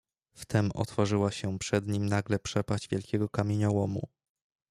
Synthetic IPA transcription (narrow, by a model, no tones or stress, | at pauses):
ft̪ɛmɔ̰t̪fɔʐɘwaɕɛpʂɛd̪ɲimnaɡlɛpʂɛpaʑd͡ʑvʲjɛlkʲɛɡɔkamʲeɲɔwɔmṵ